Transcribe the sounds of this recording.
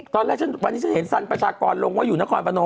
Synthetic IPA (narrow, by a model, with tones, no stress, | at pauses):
t̪ɔː˧lɛː˥˩k̚ʰa˥˩nwa˧nːiː˥t͡ɕʰnhe˩˦nsa˧npɾa˧t͡ɕʰaː˧kɔː˧nlo˧ŋwaː˥˩ju˨˩naː˦˥˩kʰɔː˧npʰa˧no˧